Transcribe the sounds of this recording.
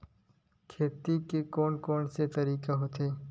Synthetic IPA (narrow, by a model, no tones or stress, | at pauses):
kʰeːt̪ikekoːnkɔːnset̪ɐɾiːkaɦoːt̪eː